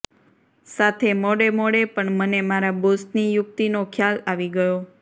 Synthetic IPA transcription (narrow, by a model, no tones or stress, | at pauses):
sat̪ʰemɔɽemɔɽepəɳmənemaɾabost̪nijʊk̚t̪inokʰjalaʋiɡəjo